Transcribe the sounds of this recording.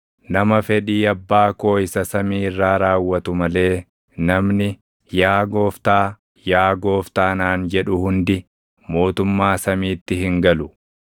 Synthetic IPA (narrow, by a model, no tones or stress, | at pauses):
nɐmɐfɛᶑiːɐbːaːko̞ːɪsɐsɐmiːɪrːaːɾaːwːɐt̪ʊmɐle̞ː | nɐmnɪ | jaːɡo̞ːft̪aː | jaːɡo̞ːft̪aːnaːnd͡ʒɛᶑʊhʊnd̪ɪ | mo̞ːt̪ʊmːaːsɐmiːt̪ːɪɦɪŋɡɐlʊ